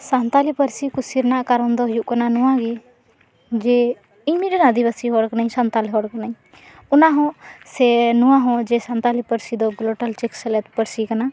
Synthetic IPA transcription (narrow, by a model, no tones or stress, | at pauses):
sãːnt̪aːliːpəɾsiːkʊsiːɾnãːkəɾənd̪oːjuʔkənaːnʊãːɡiː | d͡ʒeː | imiɾinãːd̪iːbəsiːɦoːɽəknaĩːsãːnt̪aːlːɦoːɽəknaĩː | ʊnãːɦõːseːnʊãːɦõːd͡ʒeːsãːnt̪aːliːpəɾsiːd̪oːɡloːʈəlt͡ʃɪksəleːt̪pəɾsiːkənãː